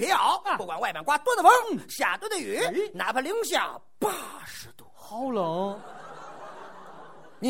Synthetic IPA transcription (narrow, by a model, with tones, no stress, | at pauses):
i˧˥ɑ˧˥ʊu˥˩kwa˨˩nwa˥˧ɪma˧˩nkwa˥t̪wɔ˥d̪ə˨fə˥ŋɕja̰˨˩t̪u˥d̪ə˧˩y˧˥na̰˧˥pʰə˧li˧˥ŋɕja̰˨˧˩ | pa˥˩ʂɻ̩˧˥t̪u̥˧˥ | ɑ˥˧˩ʊlə˨˩˦ | n˧